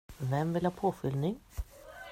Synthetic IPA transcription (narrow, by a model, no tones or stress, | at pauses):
vɛmvɪlhɑːpʰoːfʏlnɪŋ